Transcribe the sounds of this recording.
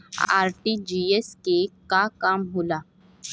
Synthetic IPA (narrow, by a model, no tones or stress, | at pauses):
a̰ːɾʈid͡ʒiːeskekakaːmɦoːlaː